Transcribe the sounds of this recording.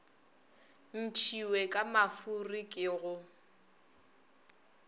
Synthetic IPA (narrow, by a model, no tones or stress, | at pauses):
n̩t͡ʃʰiwekʼamafurikʼɪɣʊ